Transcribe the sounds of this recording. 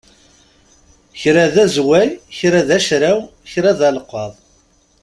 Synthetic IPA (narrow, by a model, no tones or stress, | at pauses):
çɾæðæzwæjçɾæðæʃɾæwçɾaðælqːɑðˤ